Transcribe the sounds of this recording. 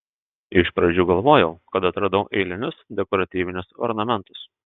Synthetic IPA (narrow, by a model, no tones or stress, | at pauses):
ɪʃpɾɐd͡ʒʲuːɡɐlˠʋoːjɛʊkɐt̪ɐt̪ɾɐd̪ɐʊʔɛɪlʲɪnʲʊsd̪ʲɛkɔːɾɐt̪ʲiːʋʲɪnʲʊsɔ̰ɾnɐmʲɛnˑt̪ʊs